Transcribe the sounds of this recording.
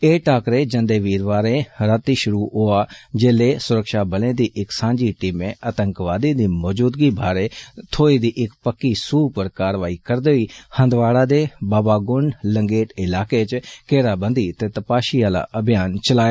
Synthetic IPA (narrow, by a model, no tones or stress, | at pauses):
eːʈaːkɾeːd͡ʒə̃nd̪eːʋiːɾʋaːɾẽːɾət̪iːʃʊɾuːɦoaːd͡ʒeːleːsʊɾəkʃaːbəlẽːd̪iːʔɪksãːɲd͡ʒiːʈiːmẽːət̪ə̃ŋkʋaːd̪iːd̪iːmɔːd͡ʒuːd̪ɡiːbʱaːɾeːt̪ʰoːiːd̪iːʔɪkpəkːiːsuːpəɾkaːɾʋaːiːkəɾd̪eːiːhə̃nd̪ʋaːɽaːd̪eːbaːbaːɡʊɳɖləŋɡeːʈɪlaːket͡ʃkeːɾaːbə̃nd̪iːt̪eːt̪əpaːʃiːaːla̰ːʔəbʱjaːnt͡ʃəlaːja